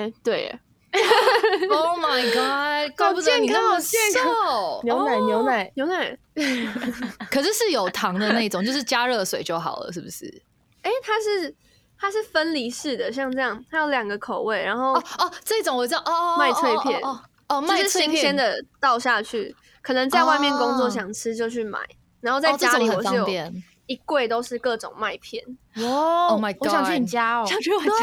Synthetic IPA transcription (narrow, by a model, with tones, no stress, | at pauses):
e˨˧˩t̪we˥˩ɪ̰˩ | o˥˧ma˨˩ɪɡɑ˥˩ko˥˧pu˥˩ɛ˥˧i˨kʰŋɛ˥˧˥njo˧˦ʊna˨˩ɪnjo˧˦ʊna˨˩˦ɪnjo˧˥ʊna˨˩ɪ | kʰɤ˨˩ʂɻ̩˥˧ʂɻ̩˥˩jo˨˩ʊt̪ʰɑ˧˥ŋd̪ə˧na˥˩i˥˩˨ŋt͡ɕo˥˧ʂɻ̩˥˩t͡ɕja˦˥ɻɤ˥˧swe˨ɪt͡ɕjo˥˩ʊxɑ̰˨˩ʊlə̰˦ʂɻ̩˥˩bu˩ʂɻ̩̰˥˩ | e˥˩ɪt̪ʰa˥ʂɻ̩˥˩ | t̪ʰa˥ʂ̬ɻ̩˥˩fə˦nli˧˥ʂɻ̩˥˩d̪ə˩ɕ̬jɑ˥˧ŋʈ͡ʂɤ˥˧jɑ˥˩ŋt̪ʰa˥jo˧˥ʊljɑ˨˩ŋɡə˨˦kʰo˨˩ʊwe˥˩ɪɻa˧˥nxo˥˩ʊɔ˥˧˩ɔ˧˩ʈ͡ʂə˥˧i˥t͡so˨˦ŋwt͡s̩˥ɑ˥˧ma˥˧ɪt̪we˥˧ɪpʰjɛ˥˨n | t͡ɕoa˧ʊ˧ʂɻ̩˥˩i˥ŋɕɛ˦˥nd̪ə˨t̪ɑ˥˧ʊɕja˥˧t͡ɕʰy˥˩ | kʰɤ˨˩nə˧˦ŋt͡sa˥˧wa˥˧ɪmjɛ˥˨˩nkʊ˥˦ŋt͡swɔ˥˩ɕ̬jɑ˨˩ŋʈ͡ʂʰɻ̩˥t͡ɕjo˥˧ʊt͡ɕʰy˥˩ma̰˨˩˦ɪ | ɻa˧˦nxo˥˧t͡sa˧t͡ɕja˥li˨wɔ˨˩˥jo˨˧ɛ˥˨n | i˧˥kwe˥˩ɪt̪o˥ʊʂɻ̩˥˧kɤ˥˩ʈ͡ʂʊ̰˨˩ŋma˥˧˩ɪpʰjɛ˥˩n˦ | oma˧wɔ˦ɕjɑ˨ŋt͡ɕʰy˥˩i˨˩t͡ɕja˦˥˨